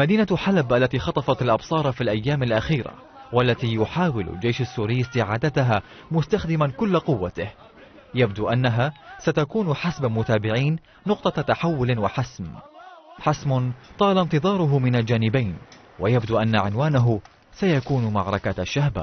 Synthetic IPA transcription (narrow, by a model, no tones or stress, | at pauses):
mad̪iːnaħalabʔalːat̪iːxɑt̪ˤɑfɑt̪alʔɑbsˤɑːɾˤfiːlʔajːaːmalʔaxiːɾa̰ | walːat̪iːjʊħaːwɪl̰ld͡ʒejʃasːuːɾɪjːast̪ɪʕaːd̪at̪aɦaː | mʊst̪axd̪ɪmankʊlːqʊwːat̪ɪh | jabd̪uːʔanːaɦaːsat̪akuːnħasbamʊt̪aːbɪʕiːnː | ʊq̚t̪ˤɑt̪aħawːʊlwaħasm | ħasmʊnt̪ˤɑːlant̪ɨðˤɑːɾˤʊɦʊmɪnald͡ʒaːnɪbajn | wajabd̪uːʔanːaʕɪnwaːnaɦʊ | sajakuːnmaʕɾˤɑkaaʃːahba̰